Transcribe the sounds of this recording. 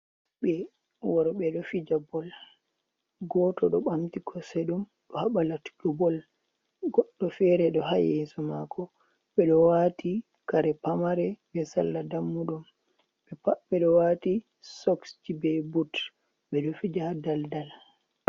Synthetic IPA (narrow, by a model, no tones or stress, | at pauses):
ɓɛ | wɔɾɔɓɛɗɔfid͡ʒabɔl | ɡɔːtɔɗɔɓamtikʰɔseɗum | ɗɔhaɓalatu̥ɗubɔl | ɡɔɗːɔfɛɾɛɗɔɦajɛsɔmakʰɔ | ɓɛɗɔwatʰi | kaɾɛpamaɾɛbɛsa̰lːadamːuɗum | ɓɛpaɓɛɗɔwati | sɔksd͡ʒibɛbut | ɓɛɗɔfid͡ʒadaldal